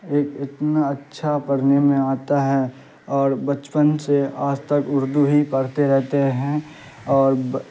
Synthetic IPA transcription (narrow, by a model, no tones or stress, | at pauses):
eːkɪt̪naɐtːʃʰapɐɾnemẽaːt̪aɦɛː | ɔːɾbət͡ʃpənseaːd͡ʒt̪əkʊɾd̪uɦikəɾt̪eɾɛɦt̪eɦɛ̃ | ɔːɾ